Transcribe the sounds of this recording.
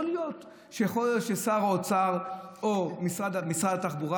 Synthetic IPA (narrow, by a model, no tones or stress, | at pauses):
olijot̪ | ʃejeχolijotʃesaʁaot͡saʁomisʁad̪amisʁadataχbuʁa